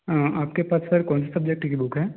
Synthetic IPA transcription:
əaːpkepaːsfɐɾkɔ̃ːnsasɐb̚d͡ʒek̚ʈikibʊkɦɛː

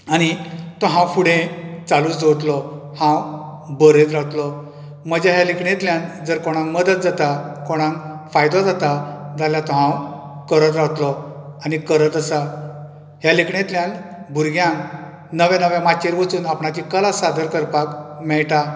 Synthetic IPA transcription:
añit̪ɔɦãwfuɽẽt͡saluːt͡sd͡zowt̪lɔhãw | bəɾẽt̪ɾawt̪lɔ | məd͡ʑaɦjalikɳet̪ljãnd͡zəɾkoɽ̃ãŋməd̪ət̪̚d͡zat̪akoɽ̃ãŋkfajd̪ɔ̃d͡zat̪ad͡zaljat̪ɔɦãwkəɾət̪ɾawt̪lɔanikəɾət̪əsa | ɦjalikɳet̪ljãnbʱuɾɡjãŋk | nəʋjanəʋjamat͡ɕeɾʋət͡suːnapɳat͡ɕikəlasad̪əɾkəɾpakmɛɭʈa

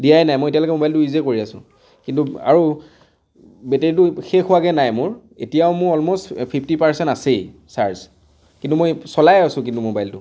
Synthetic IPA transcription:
dijajnajmojetijalɔkɛmobajltuʊizekoɹiasʊ̰̃ | kintua̰ɹu | beteɹit̬ʊxexʊakɛnajmʊɹ | etijaʊmʊɹɔlmostpʰipʰtipaɹsɛntasejsaɹz | kintumojsɔlajasʊ̃kĩntumobajltʊ

